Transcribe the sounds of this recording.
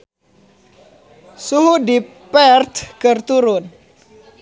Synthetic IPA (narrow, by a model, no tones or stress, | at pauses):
suhudipɛɾt̪kəɾt̪uɾun